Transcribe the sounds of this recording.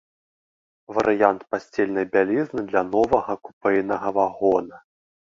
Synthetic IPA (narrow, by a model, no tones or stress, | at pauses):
vɐɾʔɨjant̪pasʲt͡sʲelʲnɐjbʲalʲiznɨd̪lʲanɔvɐɣɐku̥pɛjnɐɣɐvaɣɔnɐ